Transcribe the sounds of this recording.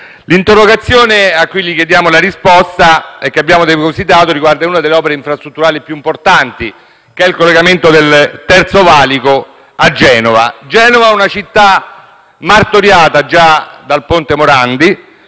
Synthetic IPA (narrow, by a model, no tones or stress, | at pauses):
lint̪erːoɡat̪sːjoːneakːujlikjed̪jaːmolaɾispɔst̪aɛkːeabːjaːmod̪eposit̪aːt̪oɾiɡward̪aunad̪elːeɔːpeɾeiɱfɾast̪ɾut̪ːuɾaːlipjuimport̪ant̪i | keɛilkolːeɡament̪od̪elt̪ɛrt̪sovaːliko | ad͡ʒːɛːnova̰d͡ʒɛːnovaɛunat͡ʃit̪ːa | mart̪oɾjaːt̪ad͡ʒad̪alpont̪emoɾand̪i